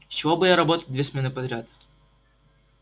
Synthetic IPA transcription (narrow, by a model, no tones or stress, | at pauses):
sʲt͡ɕɪvobɨjaɾɐbot̪ət̪̚ʲd̪vʲesmʲe̞nɨpɐd̪ɾʲat̪